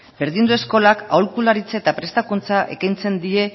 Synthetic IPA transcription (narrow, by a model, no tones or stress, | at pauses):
be̞ɾðind̪ue̞sko̞lakaolkulaɾit͡sae̞t̪apɾe̞st̪akunt͡saʔe̞̰kajnt͡se̞nd̪ie̞